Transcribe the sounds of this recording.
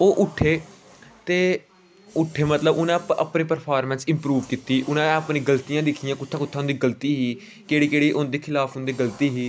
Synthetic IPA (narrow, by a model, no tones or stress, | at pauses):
oːʔʊʈʰːeː | t̪eː | ʊʈʰːeːmət̪ləbʊnãːpəpnẽːpəɾpʰaːɾmɛ̃ːnsɪ̃mpɾuːʋkiːt̪iːʔʊnãːẽəpnĩːɡəlt̪ijãːd̪ekʰɪjãːkʊt̪ʰːãːkʊt̪ʰːaːʊ̃ːnd̪iːɡəlt̪iːɦiː | keːɽiːkeːɽiːʔʊnd̪eːkʰɪlaːpʰɦʊ̃nd̪eːɡəlt̪iːɦiː